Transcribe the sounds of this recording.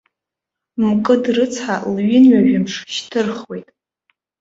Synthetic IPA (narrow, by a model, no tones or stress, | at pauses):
mkʼɨdrɨt͡sʰħalɥɪnɥaʒᶣɪmʂʃtʰɨrχwe̞jtʼ